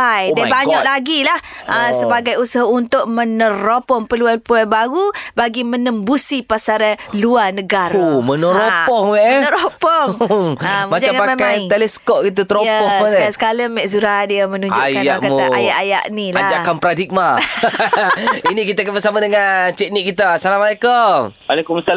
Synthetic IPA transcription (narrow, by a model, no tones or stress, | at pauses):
ajdabaɲɔʔlaɡilahʔasəbaɡajusaɦaunt̪ʊʔ̚mənə̃ɾopɔŋpəluanpuabaɣubaɡimənəmbusipasaɾaluanəɡaɾomənəɾopɔhwɛʔnəɾopɔŋamaaŋamamamkajt̪elɛskɔp̚kit̪̬ut̪əɾojəɔhəasə̥kaləmːɛʔsuɾaadiamə̃nuɲd͡ʒʊakjaakaaajaʔaja̰ʔnilaad͡ʒakanpɾadik̚ma | inikit̪akabəsamadəŋant͡ʃɛk̚niʔkːit̪asalamalekəmalekumsa